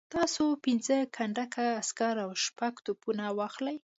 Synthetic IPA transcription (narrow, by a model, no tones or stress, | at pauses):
t̪ɑsopɪnzəkʰaɳɖakʰaːskaɾawʃpaɡt̪upunawɑxlaj